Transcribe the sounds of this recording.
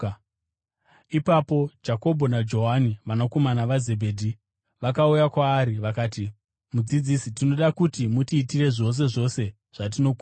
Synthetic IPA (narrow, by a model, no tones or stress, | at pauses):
ipapo̞d͡ʒako̞bʱo̞nad͡ʒo̞ɦaniʋanoko̞manaʋaze̞bʱe̞ːdʱi | ʋakaujakwaːɾiʋakaːti | mud͡zid͡zisitino̞ɗakutimutiːtire̞ʐo̞s̬e̞ʐo̞se̞ | ʐ̥at̬ino̞ku